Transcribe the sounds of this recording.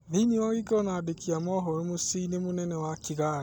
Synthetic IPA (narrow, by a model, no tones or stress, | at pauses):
nenewaɣekɔnadekʰiamɔɦɔɾemosiinemonɛnɛwakiɣaɾe